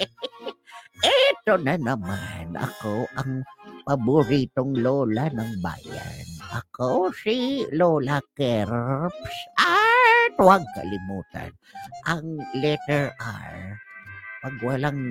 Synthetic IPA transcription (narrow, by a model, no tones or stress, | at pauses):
ʔɛt̪onanɐmanʔɐ̰koʔɐŋpabʊɾiːt̪oŋloːlanɐŋba̰ːja̰nʔɐkosiloːlakɛɾpsʔat̪waɡ̚kɐ̰lɪmuːt̪a̰n | ʔɐŋlɛt̪ɛɹʔa̰ɹ | pɐɡwalaŋ